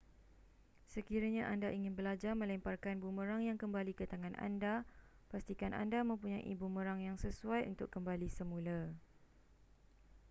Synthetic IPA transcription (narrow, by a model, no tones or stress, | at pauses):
səkiɾaɲãʔandaʔiŋɪ̃nbəlad͡ʒarmə̃lɛmparkanbumə̃ɾaŋjaŋkəmbalikət̪aŋãna̰nda | past̪ikanʔa̰ndamə̃mpuɲãʔḭbumə̃ɾaŋjaŋsəsuajṵnt̪ʊkːəmbalisəmũla